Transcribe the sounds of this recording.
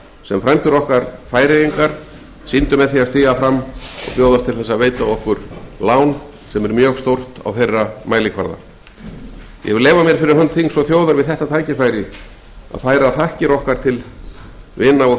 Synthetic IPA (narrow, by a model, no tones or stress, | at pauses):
sɛmfɾɛjmt̪ʏɾɔhkaɾfaːjɾejiŋkaɾ̥ | sint̪ʏmɛðθiaðst̪iːɣafɾamːɔ̰ɣpjowðast̪ʰɪlθɛsːaveːjt̪aɔhkʏɾ̥laːwn | sɛmɛɾmjœːɣst̪owr̥t̪a̰wθejrːamaːjlɪkʰva̰ɾða̰ | jɛ̰ɣvɪlɛːvamjɛɾ̥fɪɾɪɾ̥ɦœnt̪θiŋsɔθjoːwðaɾvɪðθɛht̪at̪ʰaːjcɪfaːjɾɪ | a̰ðfaːjɾaθahcɪɾɔhkaɾ̥t̪ʰɪl | vɪnːaɔ